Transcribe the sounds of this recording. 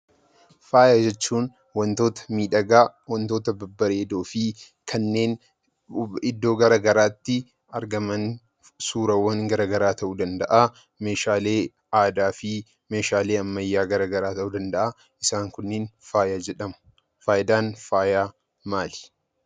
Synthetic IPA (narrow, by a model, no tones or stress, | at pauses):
faːjaːd͡ʒɛt͡ʃːuːn | wɐnt̪o̞ːt̪ɐ̥miːᶑɐɡaːwɐnt̪o̞ːt̪ɐbɐbːɐɾeːd̪o̞ːfɪ | kʰɐnːe̞ːn | ɪd̪ːo̞ːɡɐɾaːɡɐɾaːt̪ːɪ | ɐɾɡɐmɐn | suːɾɐwːɐŋɡɐɾaɡɐɾaːt̪ɐʔuːd̪ɐnd̪ɐʔa | meːʃaːleː | aːd̪aːfɪ | me̞ːʃaːle̞ːɐmːɐjːaːɡɐɾaɡɐɾaːt̪ɐʔuːd̪ɐnd̪ɐʔa | ɪsaːŋkʊnːɪnfaːjaːd͡ʒɛᶑɐmʊ̥ | faːjɪd̪aːnfaːjaː | maːlɪ̥